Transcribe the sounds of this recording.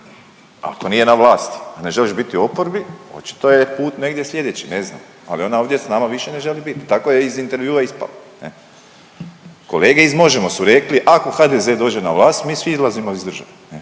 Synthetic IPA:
a̰ko̞nijenaʋlˠaːst̪ane̞ʒe̞liʃbit̪io̞po̞ɾbio̞̰t͡ʃi̥t̪ojepuːt̪ne̞ɡ̪je̞slʲe̞d̪et͡ɕine̞zna̰ːm | a̰lio̞naoʋdje̞snaːmaʋiʃe̞ne̞ʒe̞libit̪t̪akojeizint̪e̞ɾʋjuːaispa̰lanḛ | ko̞le̞ːɡe̞izmo̞ʒemo̞suɾe̞kliʔako̞xaːd̪ezeːd̪o̞ːd͡ʒe̞naʋlˠaːst̪miːsʋiizlazimoizd̪r̩ʒa̰ʋene

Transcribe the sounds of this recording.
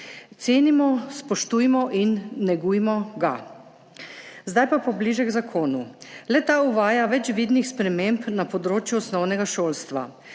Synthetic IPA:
t̪seːnimɔspɔʃt̪uːjmɔʔinːɛɡuːjmɔɡa̰ | zd̪ajpapɔbliʒɛɡzakʰoːnulɛt̪aːuʋaːjaʋɛt͡ʃʋid̪nixspɾɛmempnapɔd̪ɾoːt͡ʃjuɔsnɔwnɛɡaʃoːlst̪ʋa̰

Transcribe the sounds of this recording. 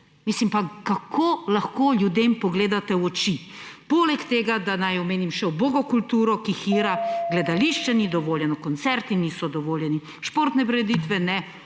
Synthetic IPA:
mislimpakakʰolaxkoːljud̪eːmpɔɡleːd̪at̪ɛɔt͡ʃi | polɛkt̪eːɡad̪anajɔmeːnimʃɛwboɡɔkult̪uːɾɔkixiɾaɡlɛd̪aliʃt͡ʃɛnid̪ɔʋoːljɛnɔkɔnt̪sɛɾt̪inisɔd̪ɔʋoːljɛni | ʃpoːɾt̪nɛpɾɛɾɛd̪iːt̪ʋɛnɛ

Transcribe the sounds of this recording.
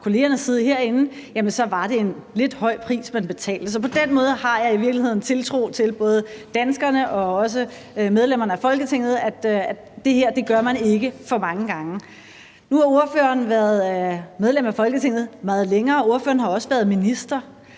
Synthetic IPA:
kʰo̝le̝ːɐnəsið̞ˠɦe̝ɐ̰e̝nn̩ | jæmənsɒ̽ʋɑ̈d̥e̝enle̝d̥hɒ̽ɪ̰pʰʁḭːsmenb̥e̝t͡sʰɛ̰ːld̥əsɒ̽pʰɒ̽d̥enmɔ̽ːð̞ˠəhɑ̈jɑ̈ɪiʋiɐɡ̥lihe̝ð̰ˠn̩t͡sʰe̝lt͡sʰʁo̝̰ːt͡sʰe̝lb̥ɔ̽ːð̞ˠəd̥ænsɡ̥ɐnəʔɒ̽ɒ̽s̬ə | með̞ˠlem̰ɐnəæfɒ̽lɡ̥ət͡sʰe̝ŋ̰ð̩ˠæd̥æ | d̥e̝heɐ̰d̥e̝ɡ̥ɶɐmæne̝ɡ̥əfɒ̽mɑ̈ŋəɡ̥ɑ̈ŋə | nuhɑ̈o̝ɐføɐn̩ʋæɐð̞ˠmeð̞ˠlemæfɒ̽lɡ̥ət͡sʰe̝ŋ̰ð̩ˠmɑ̈ːð̞̩ˠleŋɐːo̝ɐfø̰ɐnhɑ̈ɒ̽səʋæɐð̞ˠminisd̥ɐ

